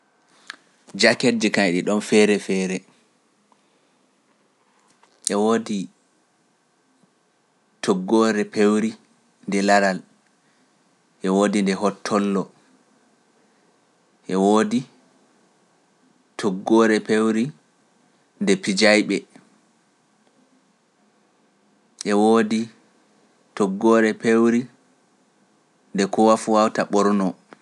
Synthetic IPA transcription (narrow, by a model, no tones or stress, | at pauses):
d͡ʒakedikaɗiɗɔnfɛɾɛfɛɾɛ | ʔɛwoːdi | tʰɔɡːɔɾɛpewɾi | ndɛlaɾal | ʔɛwoːdindɛɦɔtʰːɔlːɔ | ʔɛwoːdi | tʰɔɡːɔːɾɛpewɾi | ndɛpid͡ʒajɓɛ | ʔɛwoːdi | tɔɡːɔːɾɛpewɾi | ndɛkɔwafuwawtaɓɔɾnɔ